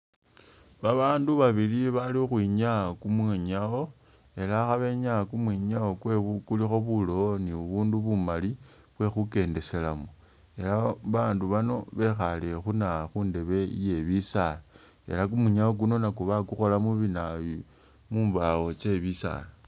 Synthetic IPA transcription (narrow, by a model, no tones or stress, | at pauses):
βaβaːnduβaβiliβalixwiɲakumwiɲao̞ | e̞laxaβe̞ɲakumwiɲawo̞kwe̞ukulixo̞βuloniuβuːnduβumali | βwe̞xuke̞nde̞se̞lamo | e̞laβaːnduβano̞βe̞xalexunaxunde̞βe̞ḭje̞βisala | e̞̰lak̬umuɲawok̬uno̞nakuβakuxo̞lamuβinaji | muːmbaɣo̞t͡ʃe̞βisa̰la